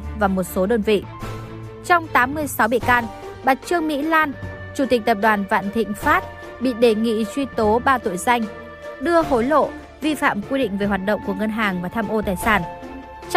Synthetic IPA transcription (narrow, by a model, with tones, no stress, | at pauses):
vaː˨˩mo˨˩t̚so˨˦ɗəː˧nvḭ˧˨ | t͡ɕɔ˧wŋ͡mt̪aː˨˦mːɨ˧əjsa˨˦wɓḭ˧˨kaː˧n | ɓa˨˩t̚t͡ɕɨ˧əŋmḭ˧˥laː˧n | t͡ɕu˧˩t̪ï˨˩k̟̚t̪ə˨˩p̚ɗwaː˨˩nva̰ː˧˨nt̪ʰḭ̈˧˨ŋ̟faː˦˥t̚ | ɓḭ˧˨ɗe˨˩ŋḭ˧˨t͡ɕwi˧t̪o˨˦ɓaː˧t̪o̰˧˨jza˧jŋ̟ | ɗɨ˧əɦo˨˦jlo̰˧˨ | vi˧fa̰ː˧˨mkwi˧ɗḭ̈˧˨ŋ̟ve˨˩hwaː˨˩t̚ɗə̰˧˨wŋ͡mku˧˩əŋə˧nɦaː˨˩ŋvaː˨˩t̪ʰaː˧mʔo˧t̪aː˨˩jsaː˧˩n | t͡ɕ